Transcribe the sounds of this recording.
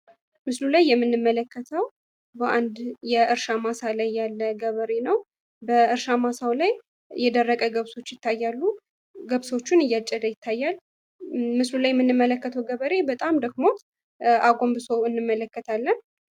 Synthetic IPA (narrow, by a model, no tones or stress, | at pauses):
mɨslulajːɛmːɨnːɨmːələkːət̪ʰəw | bəʔand̪jɛʔɨɾʃamasalajːalːəɡəβəɾe̞nəw | bəɨɾʃamasawlaj | jɛd̪ərːəkʼəɡəβso̞t͡ʃːjɪt̪ʰːajːalːu | ɡəβso̞t͡ʃːunɨjːat͡ʃʼːəd̪əjɪt̪ʰːajːal | mɨslulajɛmːɨnːɨmːələkːət̪ʰəwɡəβəɾebət̪ʼamd̪əɡmo̞ | ʔaɡo̞mbɨsowɨnːɨmːələkːət̪ʰalːən